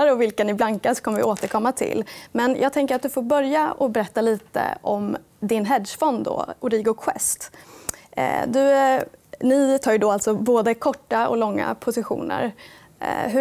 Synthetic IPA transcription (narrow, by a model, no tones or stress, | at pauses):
aɾəɔvɪlkanɪblaŋkasɔ̥kʰɔmːəvɪ̰ʔoːt̪əɾkʰɔmːat̪ʰɪ̰lːmɛnjʔɑ̰ːɡt̪ʰɛŋkəɾat̪d̪ɵfoːɾbœɾjaɔbɛɾɛt̪ːaliːt̪ə̰ʔɔm | d̪ɪnɦɛd̪ʂfɔnd̪d̪ɔ̰ʊɾiːɡʊkʰɧɛ̰st̪ | d̪ɵ | nɪt̪ʰɑːɾjd̪ɔalt̪sɔboːd̪əkʰɔʈːaɔ̰lɔŋːa̰pʰʊsɪɧṵːnə̰ɾ | ɦ